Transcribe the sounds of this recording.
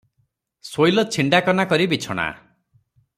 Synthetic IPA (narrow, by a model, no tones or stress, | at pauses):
sojlɔt͡ʃʰiɳɖakɔnakɔɾibit͡ʃʰɔɽ̃a̰